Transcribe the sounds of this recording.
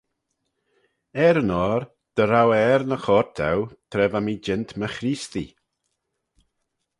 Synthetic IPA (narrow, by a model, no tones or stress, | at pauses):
ɛɾənɔːɾ | d̪̥əɾawɛɾnəxɔɾt̪ʰɛ̰wt̪ʰɾɛvamid͡ʒɪntʰməxɾiːstḭ